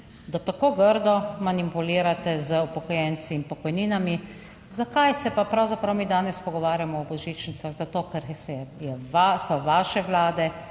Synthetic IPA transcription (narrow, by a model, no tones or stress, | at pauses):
d̪at̪akoːɡəɾd̪ɔmanipuliːɾat̪ɛzəupɔkɔjɛnt̪siːmpɔkɔjniːnami | zakajsɛpapɾawzapɾawmiːd̪aːnɛspɔɡɔʋaːɾjamɔɔbɔʒiːt͡ʃnit̪saɣzat̪oːkɛɾɛjɛasɔʋaːʃɛʋlaːd̪ɛ